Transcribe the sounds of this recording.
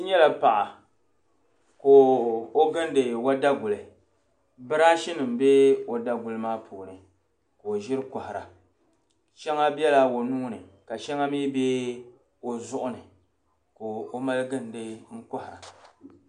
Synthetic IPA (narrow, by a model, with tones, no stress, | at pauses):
ɨ˦ɲɛ˦la˨pa˨ʔa˨ | ko˨o˦ɡɨ˦n˦dɨ˨wa˦da˦ɡʊ˨lɨ˨ | bɨ˦ɾa˦ʃɪ˦nɨ˨m̩˨bɛ˦o˨da˦ɡʊ˨lɨ˦maː˦pʰuː˨nɨ˨ | koː˨ʒɪ˦ɾɨ˦kɔ˨hɪ˨ɾa̰˨ | ʃɛ˦ŋa˦bjɛ˦la˦wo˨nʊ˦ŋ˦nɨ˨ka˨ʃɛ˦ŋa˦miː˦be˦ | o˨zʊ˦ʔʊ˦nɨ˨ | ko˨o˦ma˦lɨ˦ɡɨ˦n˨dɨ˦ŋ̩˦kɔ˦hɪ˨ɾa̰˨